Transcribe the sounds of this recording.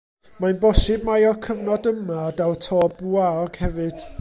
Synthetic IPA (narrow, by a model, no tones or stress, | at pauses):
manbɔsɨbmajɔkʰəvnɔdəmadawtʰɔːbuaɔɡ̥hɛvɨd̥